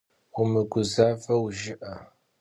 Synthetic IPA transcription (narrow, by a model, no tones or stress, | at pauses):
ʊmɨɡʷʊzaːvɐwʒɪʔɐ